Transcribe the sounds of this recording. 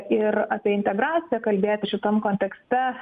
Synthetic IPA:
ɪrɑːpʲiɛɪnʲt̪ʲɛɡɾɑːt͡ssʲɪjɛkɐlʲbʲeːt̪ʲɪʃʲɪt̪ɐmkoːnʲt̪ʲɛksʲt̪ʲɛ

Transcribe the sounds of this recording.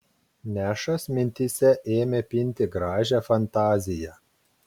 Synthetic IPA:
nʲæːʃɐsmʲɪnʲt̪ʲɪsʲɛʔeːmʲepʲɪnʲt̪ʲɪɡɾɑːʒʲæfɐnt̪ɑːzʲɪjɛ

